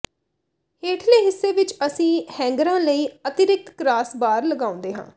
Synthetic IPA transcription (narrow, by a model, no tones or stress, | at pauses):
heːʈʰleːɦɪsːeːʋɪt͡ʃəsĩːhɛ̃ːŋɡɾãːləiːət̪ɪɾɪk̚t̪kɾaːsbaːɾləɡãːʊ̃nd̪eːɦã̰ː